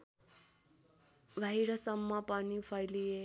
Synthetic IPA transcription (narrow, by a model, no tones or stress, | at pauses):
bʱaiɾʌsʌmːʌpʌnipʰʌjlie